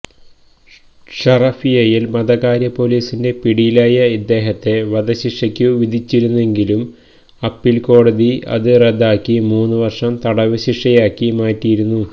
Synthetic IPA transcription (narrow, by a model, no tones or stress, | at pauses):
ʂɐrɐfijɐjilmɐðɐɣaːɾjɐpo̞liːsinde̞piɽijilaːjɐid̪ːe̞ːɦɐt̪ːe̞ʋɐd̪ɐɕiʂɐkʲːuʋid̪ʱit͡ɕːiɾunːue̞ŋɡilum | ɐpːilko̞ːɽɐðiɐ̰ðɨred̪aːkːimuːnːuʋɐrʂɐmt̪ɐɽɐʋɐɕiʂɐjaːkːimaːtːijiɾunːu